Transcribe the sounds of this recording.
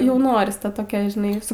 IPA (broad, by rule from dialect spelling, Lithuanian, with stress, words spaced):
ˈjɛʊ ˈnoːrʲɪs ˈtɐ toːˈkʲɛ ʒʲɪˈnɐɪ sʊ